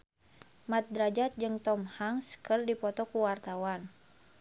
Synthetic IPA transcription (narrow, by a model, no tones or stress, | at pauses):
mat̪̚dɾad͡ʒat̪̚d͡ʒɨŋt̪ɔmhaŋskərdipɔt̪ɔkuwart̪awan